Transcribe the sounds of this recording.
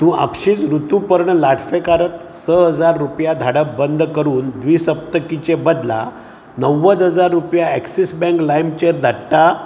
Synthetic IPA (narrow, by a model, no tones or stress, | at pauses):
t̪ũa̰pɕiːt͡sɾut̪upəɾɳəlaʈʰfekaɾət̪ | səɦəd͡zaɾːupjad̪ʱaɽəbənd̪ʱkəɾuːnd̪ʋisəp̚t̪əkit͡ɕebəd̪la̰ | nəʋːəd̪ɦəd͡zaɾːupjaɛksisbɛ̃ŋklajmt͡ɕeɾd̪ʱaʈʈa